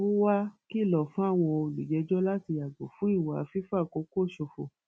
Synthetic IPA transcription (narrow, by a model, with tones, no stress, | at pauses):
o˦wa˦ki˦˨lɔ˨fũ˨˦a˦˨w̃ɔ̃˧o˧lu˨d͡ʒɛ˧˦d͡ʒɔ˦la˦ti˧a˨ɡ͡bo˨fũ˦i˦˨wa˨˧fi˦fa˦˨ko˧˦ko˦˨ʃo˧fo˧˨